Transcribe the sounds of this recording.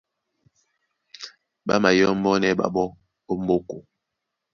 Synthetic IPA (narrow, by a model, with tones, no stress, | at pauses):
ɓa̰˦ma˨jɔ˦m̩˦bɔ˦nɛ˦ɓa̰˨ɓɔ˦ | o˦m̩˦bo˦ko˨